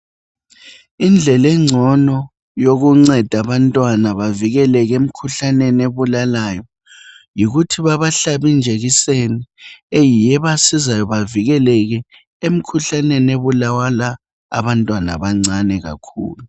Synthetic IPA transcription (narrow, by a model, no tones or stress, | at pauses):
ind͡ɮʱɛlɛŋ͡ǀʱɔnɔ | joɣuŋ͡ǀɛd̥ʱaβantʼwanaβaviɣɛlɛɣem̩kʰuɬaneneβulalajɔ | jiɣutʰiβaβaɬaβind͡ʒʱeɣiseniejijɛβasizajɔβaviɣɛlɛɣɛ | em̩kʰuɬanɛneβulawala̰ː | βantʼwana̰βaŋ͡ǀʱanɛɣa̰kʰṵːlu